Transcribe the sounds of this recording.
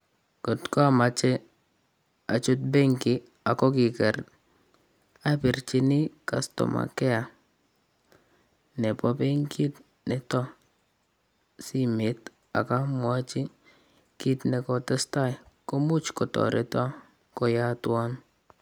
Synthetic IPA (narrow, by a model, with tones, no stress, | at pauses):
kɔ˨tkɔ˦a˨ma˨t͡ʃɛ˦ | a˨t͡ʃʊ˦t̚be˦ŋkɪ˨ | a˨kɔ˦kɪ˨kɛ˨ɾ | a˦pi˨ɾt͡ʃi˦nɪ˦ka˨stɔ̰˨ma̰˨kɛ˦a˨ | nɛ˨pɔ˦pe˦ŋki˦t | nɛ˨tɔ˦ | si˦me˨˦t | a̰˨ka˦mwa˦t͡ʃi˦ | ki˦tnɛ˨kɔ˦tɛ˦sta˦jko˦mu˦t͡ʃkɔ˨tɔ̰˨ɾɪ˦tɔ˦ | kɔ˦ja˦twa˦n